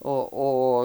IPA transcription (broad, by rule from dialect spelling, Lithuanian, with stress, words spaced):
oː ˈoː